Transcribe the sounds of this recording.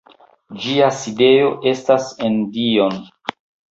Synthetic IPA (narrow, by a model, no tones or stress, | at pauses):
d͡ʒiaside̞jo̞ʔe̞stase̞ndio̞n